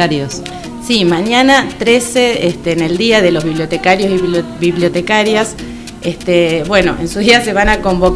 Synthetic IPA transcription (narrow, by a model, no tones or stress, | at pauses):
aɾjos | simaɲjanat̪ɾeseest̪eːneld̪iaðelo̞zβiβljo̞t̪ekaɾjosibiβljot̪ekaɾjas | est̪ebwe̞no̞̰ʔe̞nsuðiase̞β̞anako̞mbok